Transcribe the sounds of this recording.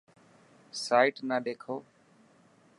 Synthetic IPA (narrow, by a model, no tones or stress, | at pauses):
saːɪʈnaːɗeːkʰoː